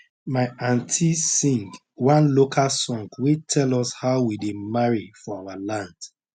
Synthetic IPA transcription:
maɪãntʰisĩŋɡ | wãnlokʰalsɔ̃ŋɡwetʰɛlɔshaʊwidemaɹifɔawalãnd

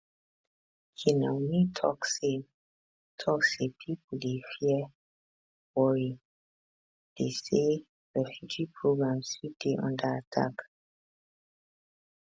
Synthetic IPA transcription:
kʰinãnitʰɔkse | tʰɔksepʰipudefi | wɔɹi | d̥ese | ɹɛfjud͡ʒipʰɹoɡɹãmsudeʔɔ̰̃ndəatʰa̰k

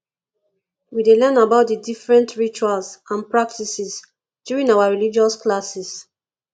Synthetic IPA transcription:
widelɛnabaʊt̚dədifɹɛ̃ntʰɹit͡ʃualsãnpɹak̚tisis | djuɹĩnawaɹilid͡ʒɔsklasis

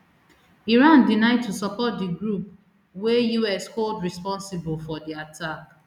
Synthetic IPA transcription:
iɹãndinaɪd̚tusɔpɔt̚diɡɾup̚ | wejuɛskoldɹispɔ̃nsɪbl̩fɔdiatʰak̚

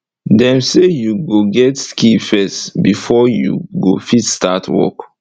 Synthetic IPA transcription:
dɛ̃msejuɡoɡɛtskifɛstbifɔjṵɡofitstatʰwɔ̰k

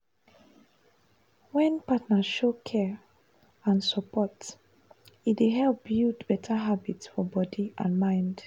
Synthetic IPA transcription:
wɛ̃npatnaʃokʰɛɹ | ãnsəpɔt | itdeɦɛlp̚bildbɛtʰaɦabitsfɔbɔdiʔã̰nmãɪ̃nd̥

